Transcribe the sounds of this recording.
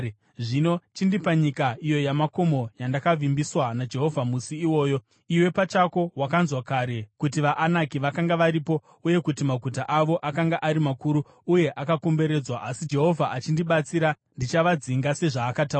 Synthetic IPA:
ʐinot͡ʃindipaɲikaijo̞jamako̞mo̞jandakavimbiswanad͡ʒe̞ɦo̞vʱamusiːwo̞ːjo̞ | iwe̞pat͡ʃako̞wakanzwakaɾe̞kutiʋaʔːnakiʋakaŋɡaʋaɾipo̞ | uje̞kutimaɡʱutaʔaʋo̞ʔakaŋɡaʔaɾimakuɾu | uje̞ʔakako̞mbe̞ɾe̞d͡zwaʔasid͡ʒe̞ɦo̞vʱaʔat͡ʃindiɓat͡siɾa | ndit͡ʃaʋad͡ziŋɡase̞ʐaːkataa

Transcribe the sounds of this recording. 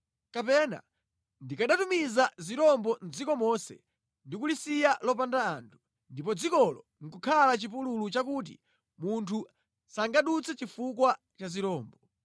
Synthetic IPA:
kapɛna̰ | ndikaɗatumizaziɾɔmbɔn̩d͡zikɔmɔsɛ̰ | ndikulisijalɔp̬andaːntʰu̥ | ndipɔd͡zikɔlɔ | ŋ̩kukʰalat͡ʃip̬ululut͡ʃak̬uːt̬ḭ | muntʰu | saŋɡaɗut͡sʰɛt͡ʃifukwa | t͡ʃaziɾɔːmbɔ

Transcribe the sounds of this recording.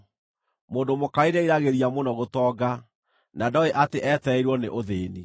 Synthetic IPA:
moːndomokaiɾeiɾaɣeɾiamonɔɣotɔɡa | nadɔeʔateʔɛtɛiɾwɔnḛʔoðeːni

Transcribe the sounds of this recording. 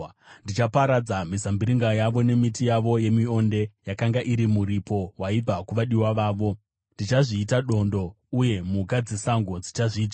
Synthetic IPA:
ndit͡ʃapaɾad͡zamisambiɾiŋɡajaʋo̞ne̞mitijaʋo̞je̞mio̞nde̞jakaŋɡaʔiɾimuɾipo̞waib͡vakuʋaɗiwaʋaːʋo̞ | ndit͡ʃaʐiːtaɗo̞ndo̞ | uje̞mukad͡zesaŋɡo̞d͡zit͡ʃaʐiːta

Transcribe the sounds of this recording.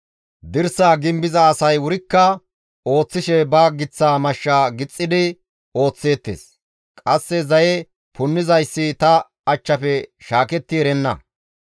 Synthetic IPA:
d̪ɪɾsaːɡɪmbɪzɐːsɐjwʊɾɪkːɐ | o̞ːt͡sːɪʃɛbɐɡɪt͡sːaːmɐʃːaːɡɪt͡sʼːɪd̪ɪ | o̞ːt͡sːe̞ːt̪ːḛːs | kʼɐsːɛzɐjɛ | pʰʊnːɪzɐjsːɪt̪ɐ | ɐt͡ʃːɐfɛʃaːkɛt̪ːɪɛɾɛnːɐ̰

